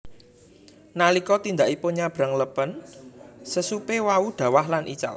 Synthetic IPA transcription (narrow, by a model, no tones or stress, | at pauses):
nalikɔt̪ind̪aʔipoɲab̥ɾa̤ŋləpən | səsupewaud̪̥ä̤wahlanʔit͡ʃa̰l